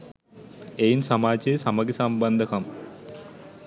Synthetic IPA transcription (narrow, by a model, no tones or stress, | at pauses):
ejnsɐmaːt͡ɕesɐmɐɡisɐmbɐnd̪ʱɐkɐm